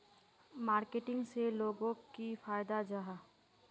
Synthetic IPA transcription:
maːɾkeʈɪ̃ŋɡseloːɡõkifaːjd̪ad͡ʒaɦa

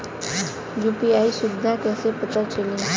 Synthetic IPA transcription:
juːpiaːisʊd̪ʱãkɛːsepɐt̪at͡ʃəlẽː

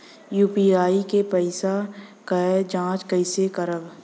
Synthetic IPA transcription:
juːpiaːikepəɪsakəd͡ʒãːt͡ʃkəɪsekəɾəb

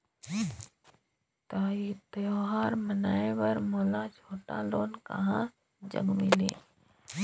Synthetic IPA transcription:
t̪aːit̪əjoːɦaːɾmənaːẽʋəɾmɔːlat͡ʃʰoːʈa̰loːnka̰ɦã | d͡ʒə̰ɡmɪlḛː

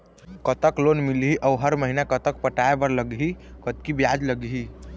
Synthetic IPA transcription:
kət̪əklonmilɦiʔəwɦəɾməɦinakət̪ək̚pəʈaebəɾləɡɦikət̪kibjad͡ʒləɡɦi

